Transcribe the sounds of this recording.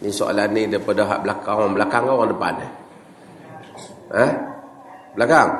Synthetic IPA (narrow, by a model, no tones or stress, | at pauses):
nisoʔa̰lanidəpadɔɦa̰ʔblakaŋwablakaŋawaŋdəpa̰ne | ə | blakaŋ